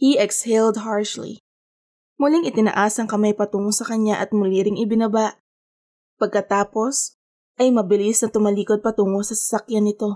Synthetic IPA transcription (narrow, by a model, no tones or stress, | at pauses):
hiʔɛkshɛld̪ɦaɹʃlḭ | mʊlɪŋʔɪt̪ɪnɐ̰ʔaːsɐŋkɐmajpɐt̪uːŋosɐkɐɲaʔɐt̪̚mʊlɪɾɪŋɪbɪnɐbaʔ | pɐɡ̚kɐt̪aːpo̞s | ʔɐjmɐbɪlɪsnɐt̪ʊmɐliːkod̪̚pɐt̪uːŋosɐsɐ̥sɐkjanɪt̪o̞